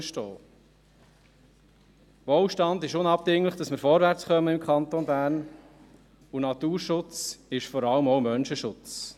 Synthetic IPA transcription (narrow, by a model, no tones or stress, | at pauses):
ʃtɔː | ʋoːlʃtɑndɪʃʊnɑb̚dɪŋləχd̥ɑsmɪɾfɔɾvæɾt͡sχœməɪmkχɑnt̪onbæːɾn | unɑt̪uːɾʃʊt͡sɪʃfɔɾɑləmɔʊmœnʃəʃʊt͡s